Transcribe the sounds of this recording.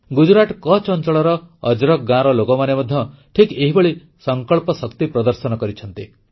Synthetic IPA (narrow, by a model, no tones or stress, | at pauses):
ɡud͡ʒuɾaʈkɔt͡ʃɔnt͡ʃɔɭɔɾɔːd͡ʒɾɔk̚ɡãɾɔlokɔmanemɔd̪ʱjɔʈʰikeɦibɔɭi | sɔŋkɔɭpɔsɔkt̪ipɾɔd̪ɔɾsɔnɔkɔɾit͡ʃʰɔnt̪i